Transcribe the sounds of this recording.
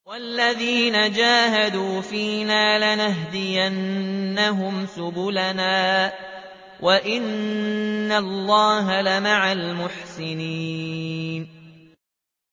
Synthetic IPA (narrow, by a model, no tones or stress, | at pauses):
walːaðiːnad͡ʒaːɦad̪uːfiːnaːlanaɦd̪ɪjanːaɦʊmsʊbʊlanaː | wʔaʔɪnː | allˤːɑːɦalamaʕalmʊħsɪniːn